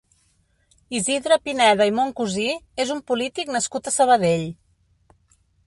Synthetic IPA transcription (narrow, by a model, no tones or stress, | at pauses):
iziðɾəpinɛðəimoŋkuziezumpulit̪iknəskut̪əsəβ̞əðeʎ